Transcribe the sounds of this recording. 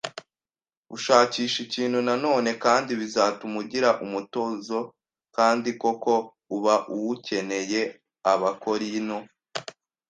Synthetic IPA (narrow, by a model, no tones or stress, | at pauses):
uʃaːciːʃiciːn̤̥hunano̞ːne̞kaːndiβizaːtumuɟiɾaʔumuto̞ːzo̞ | kaːndiko̞ko̞ | uβaʔuwuce̞ne̞je̞ | aβako̞ɾino̞